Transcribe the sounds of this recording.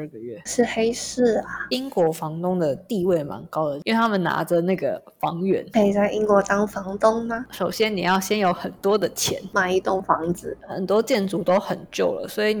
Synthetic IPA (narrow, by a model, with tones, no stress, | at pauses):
ə˥˧˩ɡə˩ɥɛ˥˩ʂɻ̩˥˧xe˥ɪʂɻ̩˥˩a˨˩i˥ŋkwɔ˧˥fɑ˧˥ŋt̪ʊ˥ŋd̪ə˨t̪i˥˧we˥˩ɪma̰˧˥nkɑ˥ʊd̪ə˨˩i˥we˥˩a˥mə˨nna̰˧˥də˨na˥˩ɡə̰˩ | fɑ̰˧˥ŋɥɛ̰˧˥˦ne˥˩˨t͡sa˥˩ɪʔi˥ŋkwɔ˧˥t̪ɑ˥ŋfɑ˧˥ŋt̪ʊ˥ŋma˨ʂo˨˩ʊɕjɛ˦˥ni˨˩jɑ˥˩ʊɕjɛ˥njo˧˥ʊxə˨˩nt̪wɔ˥d̪ə˨t͡ɕʰjɛ̰˧˥˦nma˨˩i˧t̪ʊ˥˩ŋfɑ˧˥ŋd͡zɹ̩˨˦xə̰˨˩nt̪wɔ˥t͡ɕjɛ˥˩nt͡su˧˥t̪o˥ʊxə˨˩nt͡ɕjo˥˩ʊlə̰˩swɔ˧˥i˨˥n